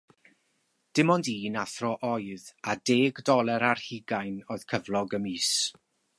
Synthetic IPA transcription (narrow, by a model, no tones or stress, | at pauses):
d̥ɪmɔndiːnaθrɔʔɔjðadeːɡdɔlˠɛɾar̥hiɡajnoːɨð̥kʰəvlˠɔɡəmiːs